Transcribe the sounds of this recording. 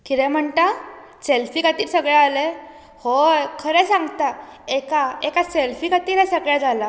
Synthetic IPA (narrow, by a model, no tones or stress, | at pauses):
kiɾɛ̃m̤əɳt̪a | selfikat̪iːlsəɡɭjaːle | hokʰəɾɛ̃sãŋɡt̪aekaekaselfikat̪iːlɦɛ̃səɡɭjad͡zʱala